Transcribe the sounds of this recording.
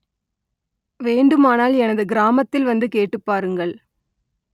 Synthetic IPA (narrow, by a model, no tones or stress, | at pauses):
ʋeːɳɖɯmaːnaːlɛnɐðɯɡɪɾaːmɐt̪ːɪlʋɐnd̪ɯkeːʈːɯpːaːɾɯŋɡɐɭ